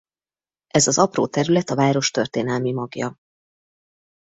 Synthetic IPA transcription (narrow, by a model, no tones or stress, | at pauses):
ʔɛzɒzɒpro̰ːt̪ɛɾylɛt̪ɒvaːɾo̞ʃt̪ø̞rt̪eːn̪ɛlmimɒɡjɒ̰